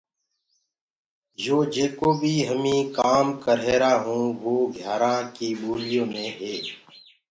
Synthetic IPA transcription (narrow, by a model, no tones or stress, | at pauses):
joːd͡ʒeːkoːbʱiːɦəmĩːkaːmkəɾɦeːɾaːɦũːʋoːɡʱjaːɾãːkiːɓoːlɪjõːmẽːɦeː